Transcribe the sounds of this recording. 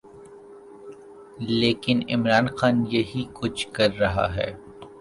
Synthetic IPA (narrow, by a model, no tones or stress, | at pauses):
leːkɪnɪ̰mɾaːnxaːnjɐɦikʊt͡ʃʰkɐɾːɐɦa̰ɦɛ̰ː